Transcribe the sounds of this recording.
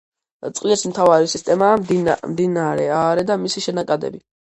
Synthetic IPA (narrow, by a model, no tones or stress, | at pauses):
t̪sʼqʼliɛsmt̪ʰavaɾisist̪ʼɛmaːdmd̪inaɾɛaɾɛd̪amisiʃɛnakʼad̪ɛ̰bi